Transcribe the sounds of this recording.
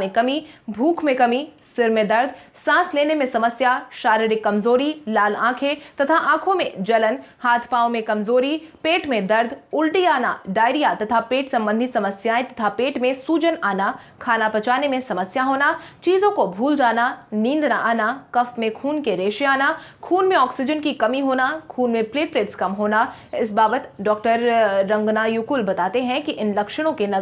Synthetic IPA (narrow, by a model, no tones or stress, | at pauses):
mẽkɐmibʱuːkʰmẽkɐmisɪɾmẽd̪ɐɾd̪ʱ | sãːsleːnemẽsɐməsjaʃaːɾɪɾɪkːɐmzoːɾilaːlãːkʰet̪ɐt̪ʰaʔãːkʰõmẽd͡ʒɐlənhaːt̪ʰpaːõmẽkɐmzoːɾipeːʈmẽd̪ɐɾd̪ʱʊlʈiaːna̰ɖaːɪɾijat̪ɐt̪ʰapeːʈsɐ̃mbə̃nd̪ʱisɐməsjaːẽt̪ɐt̪ʰapeːʈmẽsuːd͡ʒənaːna | kʰaːnapɐt͡ʃaːnemẽsɐməsjaɦoːnat͡ʃiːzõkobʱuːld͡ʒaːnanĩːnd̪naʔaːnakɐfmẽkʰuːnkeɾeːʃeaːnakʰuːnmẽɔːksɪd͡ʒənkikɐmiɦoːnakʰuːnmẽpleːʈleːʈskɐmɦoːna | ɪsbaːbət̪ɖɔːk̚ʈəɾːɐ̃ŋɡnajukulbɐt̪aːt̪eɦɛ̃kiʔɪnlɐkʃəɽ̃õkenɐ